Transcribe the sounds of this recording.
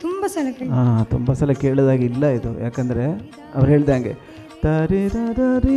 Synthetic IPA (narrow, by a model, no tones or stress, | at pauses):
t̪umbɐsɐlɐkɐaːt̪umbɐsɐlɐkeːɭod̪aːɡilːɐid̪ujaːkɐnd̪ɐɾe̞ | ɐ̰ʋɐɾɦe̞ːɭid̪aːŋɡḛ | t̪ɐɾiɾɐɾɐɾi